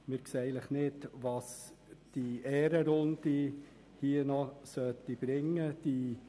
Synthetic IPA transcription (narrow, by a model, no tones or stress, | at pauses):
mɪɾkseːæləχnɪtʋɑs | d̥iɛːɾəɾʊnd̥i | hiənɔsœt̪ːib̥ɾɪŋːəd̥i